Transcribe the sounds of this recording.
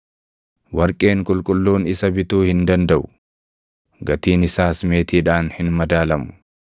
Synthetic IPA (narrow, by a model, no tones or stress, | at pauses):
wɐɾkʼe̞ːŋkʼʊlkʼʊlːuːnɪsɐbɪt̪uːhɪnd̪ɐnd̪ɐʔʊ | ɡɐt̪iːnɪsaːsme̞ːt̪iːᶑaːnhɪnmɐd̪aːlɐmʊ̥